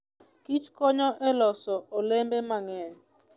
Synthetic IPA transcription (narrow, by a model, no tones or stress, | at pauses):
kit͡ʃkɔɲɔʔɛlɔsɔolembɛmaŋɛn